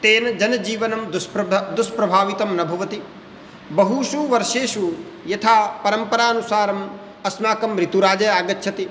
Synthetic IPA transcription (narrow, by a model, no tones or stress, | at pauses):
t̪eːnɐd͡ʒɐnɐd͡ʒiːʋɐnɐmd̪sd̪uspɾɐbʱaːʋit̪ɐmnɐbʱɐʋɐt̪i | bɐɦuʃuʋɐɾʂeːʃu | jɐt̪ʰaːpɐɾɐmpɐɾaːɐnusaːɾɐm | ɐsmaːkɐmɾit̪uɾaːd͡ʒɐjaːɡɐtːʃʰɐt̪i